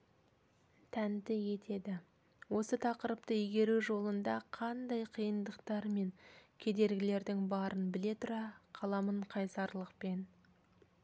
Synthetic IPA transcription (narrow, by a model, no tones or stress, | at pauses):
t̪ʰænd̪ɪje̞t̪ʰe̞d̪ɪ | wo̞sət̪ʰɑqəɾəp̚t̪əijɡʲe̞ɾuʒo̞lˠənd̪ɑqʰɑnd̪ɑjqʰijənd̪əqt̪ɑɾme̞ŋkʲʰe̞d̪e̞ɾɡʲɪle̞ɾd̪ɪŋbɑɾʔənbɪle̞t̪ʰʊɾɑqʰɑlˠɑməɴqʰɑjsɑɾlˠəqpe̞n